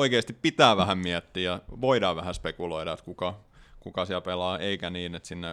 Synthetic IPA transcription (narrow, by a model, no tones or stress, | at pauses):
oikeːst̪ippit̪æːʋæhæmmiæt̪ːiːjɑʋoidɑːʋʋæhæspekuloiɾɑet̪kukɑ | kukɑsiælpelɑːeikæniːnet̪sinːe